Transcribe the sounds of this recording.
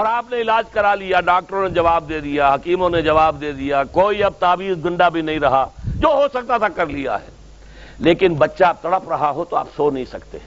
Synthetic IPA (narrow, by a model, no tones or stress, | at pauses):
ɔːɾaːpneɪlaːd͡ʒkɐɾalijaɖaːk̚ʈəɾõned͡ʒɐʋaːb̚d̪eːd̪ijaɦɐkiːmõned͡ʒɐʋaːb̚d̪eːd̪ijakoːiɐb̚t̪aːbiːzɡʊ̃ɳɖabʱinɐɦĩɾɐɦad͡ʒoːɦosɐk̚t̪at̪ʰakɐɾlija̰ɦɛ̰ː | leːkɪnbɐtːʃap̚t̪ɐɽəpɾɐɦaɦot̪oa̰ːpsoːnɐɦĩsɐkt̪ḛ